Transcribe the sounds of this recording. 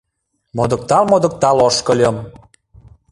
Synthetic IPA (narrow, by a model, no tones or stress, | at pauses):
mod̪ə̆k̚t̪ɑlmod̪ə̆k̚t̪ɑloʃkə̆lʲə̆m